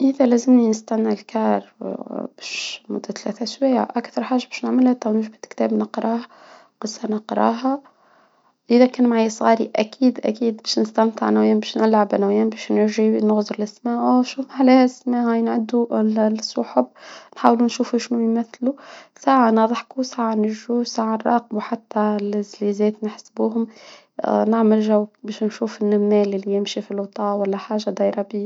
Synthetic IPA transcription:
ʔɪðælæːzɪmninɪst̪æʕnːalkɑːɾˤbɛːʃmʊd̪ːat̪læːt̪æʔʃwæja̰ʔækθɑɾˤħaːʒːabæːʃnɪʕməlhæt̪æwnɪʒbɪt̪kt̪æːbnəqɾˤɑːhɑ | qɨsˤːɑnɑqɾˤɑ̰ɦɑ | ʔɪðækæːnmʕajːsˤɣɑːɾiʔækʰiːd̪ʔæ̰kiːd̪bæːʃnɪst̪æmt̪əʕanawjæːmbæːʃnʔɪlʕabʔanæwjæːnbæːʃnʊɾʒinɣzɾˤlasmaːʕʔʃuːfħlæːhæsmæːhajɪnʕad̪ːulsˤʊħʊbnħaːwlunʃuːfuʃnujmæθlusaːʕanɑðˤħkusaːʕanɪʒusaːʕarˤɑ̰ːq̚muwħat̪ːælɪzliːzɛːt̪nɪħsbuːɦʊm | nɪʕmɪlʒawːbɛːʃnʃuːfɪnːʊmːæːlɪlːijɪmʃifilwt̪ˤɑːwælːæħaːʒad̪ɑjɾˤɑbiː

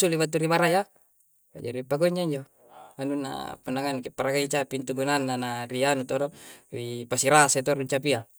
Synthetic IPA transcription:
uliβat̪̬ːuɾimaɾaja | a̰d͡ʒa̰ɾipaɡoɲːaiɲd͡ʒo | anuna̰punaŋankepaɾaɡait͡ʃapint̪uɡunanːanaɾianut̪odoipasiɾasat̪̬uaɾuɲt͡ʃapia

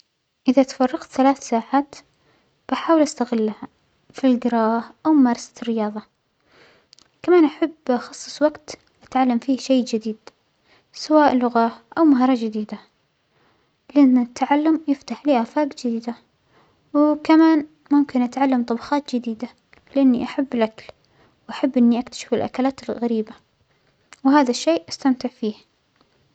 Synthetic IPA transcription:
ʔɪðat̪fɑrˤːɑqt̪θalaːθsaːʕaːt̪ | b̥aħaːwɪlʔast̪aɣɪlːaha | filɡɪɾˤɑːhʔawmmɑːɾˤɑsḁrːɪjɑːðˤɑ | kamaːnʔaħabːʔxɑsˤːɨ̥sˤwaɡt̪ | ʔat̪ʕalːamfiːʃejːd͡ʒɪd̪iːd̪̥ | sawaːʔlːʊɣahʔawmaɦːɾˤɑd͡ʒad̪iːd̪a | lɪʔanːɪt̪ʰːaʕalːʊmjɪft̪aħliːʔaːfaːkd͡ʒɪd̪iːd̪a | wkamaːn | mʊmkɪnʔat̪ʕalːamt̪ˤɑbɑxɑːt̪d͡ʒɪd̪iːd̪a | lɪʔanːiʔaħabːɪlʔakal | wʔaħabːʔɪnːiʔakt̪ḁʃɪ̥fɪlʔa̰kalaːt̪ɪlɣaɾiːba | wɦaːðaʃːeːʔʔast̪amt̪ɪʕfiːh

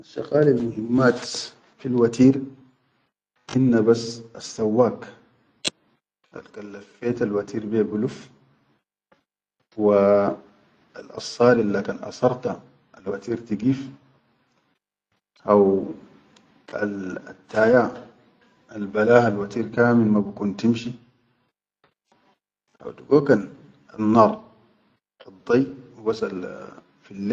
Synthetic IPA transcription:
ʔaʃɑ̰qaːlilmʊhimːaːt̪ | filwat̪iːɾ | ʔinːabasasːawːaːk | ʔa̰lkalːafːeːt̪alwat̪ʰiːɾbebuluf | wa | alʔɑ̰sˤːɑːɾilːakanʔɑ̰sɑɾˤt̪a | alwat̪iːɾt̪iɡiːf | ʔaw | a̰t̪ːaːja | albalaːhalwat̪iːɾkaːmilmabikunt̪imʃi | ʔa̰wt̪uɡukan | a̰nːɑːɾˤ | ɑd̪ˤːijwubasal | filː

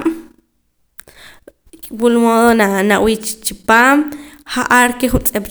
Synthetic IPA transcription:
m | kʼwulmoðonanaʔwit͡ʃt͡ʃipaːmhaʔaɾkeχunt͡sʼep

